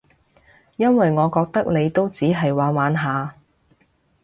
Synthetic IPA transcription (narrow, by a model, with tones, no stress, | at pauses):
jɐ˥nwɐ˨jŋɔː˨˧kɔː˧k̚t̪ɐ˥k̚ne˨˧jt̪o˥wt͡siː˨˥ɦɐ˨jwaː˨˥nwaː˨˧nɦaː˨˧